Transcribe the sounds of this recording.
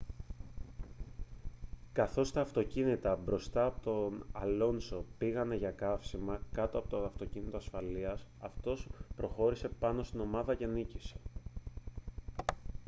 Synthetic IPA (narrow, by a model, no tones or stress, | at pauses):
kɐθo̞st̪ɐːft̪o̞cinit̪ɐbɾo̞st̪ɐːpot̪o̞nɐlo̞nso̞piɣɐne̞ʝɐkɐfsimɐkɐt̪oɐpo̞t̪oɐft̪o̞cinit̪o̞ɐsfɐliɐsɐft̪o̞spɾo̞xo̞ɾise̞pɐnost̪ino̞mɐðɐce̞nicise̞̥